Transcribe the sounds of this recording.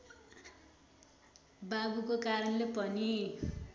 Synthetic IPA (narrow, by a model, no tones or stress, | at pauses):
babukokaɾʌnlepʌni